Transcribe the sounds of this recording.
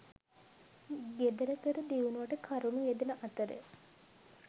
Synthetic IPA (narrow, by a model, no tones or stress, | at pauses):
ɡed̪əɾət̪əɾəd̪iʋunuʋaʈəkʰaɾunuʋed̪enəʔɐt̪əɾə̰